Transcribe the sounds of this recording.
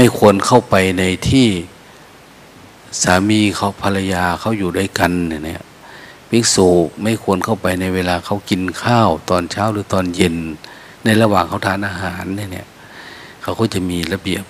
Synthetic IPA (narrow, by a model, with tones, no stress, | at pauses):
ma˧˥˩jkʰu˧ənkʰa˥˩wpa˨jna˧jt̪ʰiː˧˥˩ | saː˨˦miː˧kʰa˧˩wpʰa˧la˧jaː˧kʰa˧˥˩wjuː˨˩da˧˩˨ka˨˧nna˧˩nḭ˧˩˨ | pe˧˦nsoː˨˩˦ma˧˥˩jkʰu˧ənkʰa˥˩wpa˨jna˧jweː˧laː˧kʰa˧˩wki˧nkʰaː˧˥˩wt̪ɔː˧nt͡ɕʰaː˧˥˨wlɯː˨˦t̪ɔː˧nje˧nː | a˧˩jla˧waː˨˩ŋkʰa˧˥˩wt̪ʰaː˧˥˨nʔaː˧ɦaː˨˦nːa˧˥˩nḭ˧˩ə | kʰa˧˩wkʰɔ˧˥˨t͡ɕa˧˩miː˧la˧bi˨˩əp̚